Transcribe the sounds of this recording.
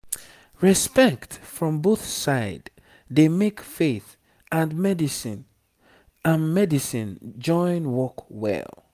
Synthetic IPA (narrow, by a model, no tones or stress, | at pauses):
ɹispɛktfɹɔ̃mboθsaɪd | demekfeθ | ãnmɛdisĩn | ãnmɛdisĩnd͡ʒɔ̃ɪ̃nwɔkwɛ̰lˠ